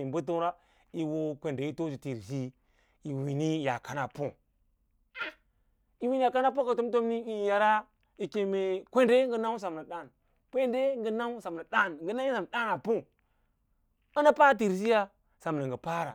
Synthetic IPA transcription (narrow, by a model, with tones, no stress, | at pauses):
i˨bu˦t̬u˦ɾa˦ | i˦wo˦kʷe˨nde˨i˦to˦d͡ʒi˨ti˨ɾs̬i˦ | i˨wi˨ni˦ja̰˨ka˨na˨pu˦ | a˦ | i˦wi˦n˦ja˨ka˦na˦po˦ka˨tu˦m˦to˦mni˦i˦ja˨ɾa˦ | i˨ke˨me˨kʷe˦nde˦ŋɡə˦na˦ws̬a˨m˨na˨ɗa˦˨n | kʷe˦nde˦ŋɡi˦na˦wsa˨m˨a˨da˦nŋɡə˨na˦i˦sa˨m˨ɗa˦na˨pu˦ | a˦na˦pa˦t̬i˨ɾs̬i˦ja˦ | sa˨m˨na˨ŋɡi˨pa˦ɾa̰˨